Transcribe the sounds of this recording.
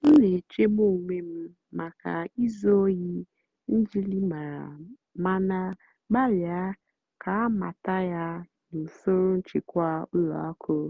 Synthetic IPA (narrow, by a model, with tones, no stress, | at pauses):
n̩˦ne˨t͡ʃe˦ɡ͡bo˦˨ŋʷe˦m̩˦ | ma˨ka̰˨i˦zo˦ji˦ | n̩˦d͡ʒi˦li˦ma˨ɾa˨ | ma˦na˦ | ɡ͡ba˦lja˦ | kʰa˨a˦ma̰˨ta˦ja˦ | nʊ˨sʊ˦ɾʊ˦n̩˦t͡ʃɪ˨kʷa˦ʊ˦lɔ̰˨a˦kʰo˨˦